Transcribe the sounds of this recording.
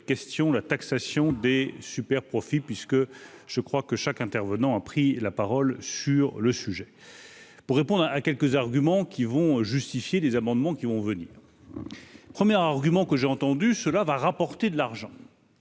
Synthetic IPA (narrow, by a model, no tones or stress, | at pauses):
kʲɛst̪jɔ̃lat̪aksasjɔ̃d̪esypɛʁpχɔfipɥiskəʒ̥əkχwakəʃakɛ̃t̪ɛʁvənɑ̃apχilapaʁɔlsyʁləsyʒɛ | puʁːepɔ̃d̪ʁaʔakʲɛlkəzaʁɡʲymɑ̃kʲivɔ̃ʒyst̪ifjelezamɑ̃d̪mɑ̃kʲivɔ̃vənḭːʁ | pχəmjɛʁaʁɡʲymɑ̃kəʒeɑ̃t̪ɑ̃d̪ysəlavaʁapɔʁt̪ed̪əlaʁʒɑ̃